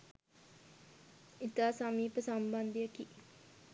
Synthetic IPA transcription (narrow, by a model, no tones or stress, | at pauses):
it̪aːsamiːpəsamband̪ijəki